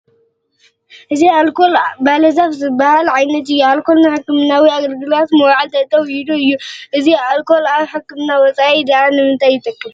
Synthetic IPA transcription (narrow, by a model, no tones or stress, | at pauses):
ʔɨzialkolbalɐzafzɨbahalʕajnɐt̪ɨjːualkʰolnaħɨkːɨmnawiaɡɐlɡɨlat̪mɐwʕalt̪ʰɐt̪ʼːɐwjid̪oɨjːuʔɨzialkʰolaħɨkːɨmnawɔt͡sʼaʔid̪aanɨmɨnt̪ʰajːɪt̪ʼɐkʼːɨm